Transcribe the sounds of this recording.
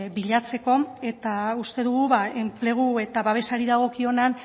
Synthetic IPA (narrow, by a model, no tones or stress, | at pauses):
βiʎat͡se̞ko̞e̞t̪aust̪e̞ðuɣuβae̞mple̞ɣ̞ue̞t̪aβaβe̞saɾiðaɣ̞o̞kio̞nan